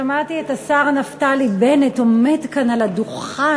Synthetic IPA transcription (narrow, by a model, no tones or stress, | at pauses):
amat̪ietasaʁanaftalibenetometkanaladuχa